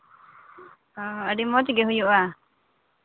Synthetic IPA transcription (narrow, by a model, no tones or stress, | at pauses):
ɔ̃əɖimɔt͡ʃɡeɦujuʔa